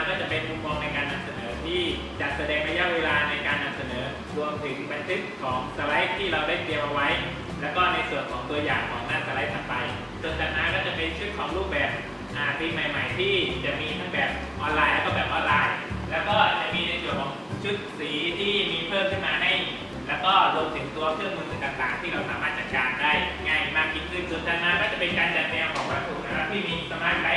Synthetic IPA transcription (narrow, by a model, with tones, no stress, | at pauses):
a˥kɔː˥˩t͡ɕa˨˩pe˧nmu˧mːɔː˧ŋna˧jkaː˧nːa˧msa˧nɤː˩˦t̪ʰiː˥˩ | t͡ɕa˨˩t̪̚sa˧dɛː˧ŋna˦˥ja˦˥ʔweː˧laː˧na˧jkaː˧nːa˧msa˧nɤː˩˦ | ɾu˧əmt̪ʰɯ˩˦ŋba˧nt̪ʰɯ˦˥t̪̚kʰɔː˩˦ŋsa˧la˦˥jp̚t̪ʰːiː˥˩ɾa˧wdaː˥˩jt̪i˧əmʔa˧wa˦˥j | lɛː˦˥wkɔː˥˩na˧jsu˨˩ənkʰɔː˩˦ŋt̪u˧ɐjaː˨˩ŋkʰɔː˩˦ŋnaː˧˥˩nsa˧la˦˥t̪ʰa˧mpa˧j | so˧ənt͡ɕaː˨˩k̚na˦˥nkɔː˥˩t͡ɕa˨˩pe˧nt͡ɕʰu˦˥t̪̚kʰɔː˩˦ŋɾluː˥˩p̚bɛː˨˩p̚ | ʔaː˨˩t̪iː˧ma˨˩jma˨˩jt̪ʰiː˥˩t͡ɕa˨˩ʔmiː˧t̪ʰa˦˥ŋbɛː˨˩p̚ | ʔɔː˧nlaː˧jlɛ˦˥kɔː˥˩bɛː˨˩p̚ʔɔː˧nlaː˧jlɛː˦˥wkɔː˥˩t͡ɕa˨˩ʔmiː˧na˧su˨˩kʰɔː˨˦ŋt͡ɕʰu˦˥t̪̚siː˩˦t̪ʰiː˥˩miː˧pʰɤː˥˩mkʰɯ˦˥˩nmaː˧˥na˥˩ji˨˩ | lɛː˦˥wkɔː˥˩doː˧nt̪ʰɯ˩˦ŋt̪u˧ɐkʰɾɯ˥˩əŋmɯː˧nɯ˨˩ŋt̪aː˨˩ŋt̪aː˨˩ŋt̪ʰiː˥˩ɾa˧wsaː˩˦maː˥˩t̪̚t͡ɕa˨˩t̪̚kaː˧ndaː˥˩jŋa˥˩jmaː˥˩k̚ki˧˩nkʰɯ˥˩nsu˨˩ənt̪ʰaː˧nmaː˦˥kaː˥˩t͡ɕa˨˩pe˧nkaː˧nt͡ɕa˨˩t̪̚nɛː˧wkʰɔː˩˦ŋpɾa˧kʰuː˧˩a˧ɾa˦˥t̪ʰiː˥˩miː˧˨˩saː˨˦maː˥˩t̪ʰːa˧˩